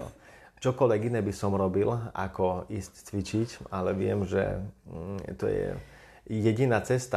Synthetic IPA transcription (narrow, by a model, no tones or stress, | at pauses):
t͡ʃɔkɔlʋɛɡinɛːbisɔmɾɔbila̰kɔiːsct͡sʋit͡ʃicalɛʋɪɛmʒɛ̰ | t̪ɔ̰jɛ̰ | jɛɟinaːt͡sɛst̪a